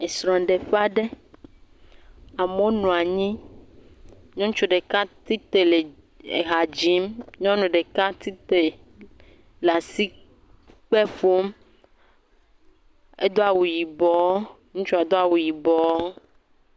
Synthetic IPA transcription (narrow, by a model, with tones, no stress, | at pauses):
e˨sɾɔ̃˨ɖe˨ɸa˦ɖe˦ | a˨mo˦nũ˨a˨ɲĩ˦ | ɲɔ̃˦t͡ʃu˦ɖe˨ka˦t̪i˦t̪e˨le˨ | ḛ˨ɦa˨d͡ʒi˦mɲɔ̃˦nũ˨ɖe˨ka˦t̪i˦t̪e˨ | la˨si˦ | k͡pɛ˦fo˦m | e˦d̪o˦a˨wu˨ji˨bɔ˨˦ | ŋũ˦t͡ʃu˦a˨d̪o˦a˨wu˨ji˨bɔ˨˦w